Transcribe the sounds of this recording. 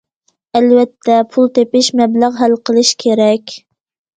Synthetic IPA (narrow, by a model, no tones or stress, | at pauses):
ɛlwɛt̪ʰːɛpʰulˠt̪epɪʃmɛblæʁɦælqəlˠɨʃkʲʰeɾɛkʲ